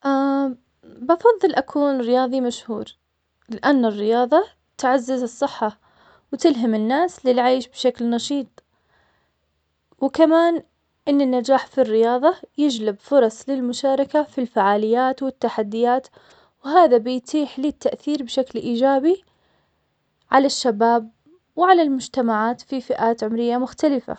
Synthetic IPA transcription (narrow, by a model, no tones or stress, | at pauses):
ʔaː | bɑfɑðˤːɨlʔakʰuːnɾɪjɑːðˤimaʃhṵːɾ | lɪʔanːɪrːɪjɑːðˤɑ | t̪ʕazːazɨsˤːɨħːa | wt̪ɪlɦamɪnːaːslɪlʕaːʃbʃaklnɑʃiːt̪ˤ | wɪkamaːn | ʔɪnːɪnːad͡ʒaːħfirːɪjɑːðˤɑjɪd͡ʒlɪbfʊɾˤɑsˤlɪlmʊʃaːɾˤɑkafilfaʕaːlɪjːaːt̪wɪt̪ːaħad̪ːɪjaːt̪ | wɦaːðabɪjt̪ʰiːħliːt̪ːaʔθiːɾbʃaklʔiːd͡ʒaːbi | ʕalaʃːabaːb̚ | wʕalalmʊd͡ʒt̪amaʕaːt̪fifɪʔaːt̪ʕʊmɾɪjːamʊxt̪alɪfa̰